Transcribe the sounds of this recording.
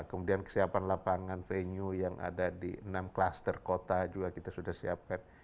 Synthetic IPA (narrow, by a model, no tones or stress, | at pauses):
kəmudiankə̥siapanlapaŋanfeɲujaŋʔa̰dadḭənamklast̪ərkot̪ad͡ʒuɡakit̪asudahsiap̚kan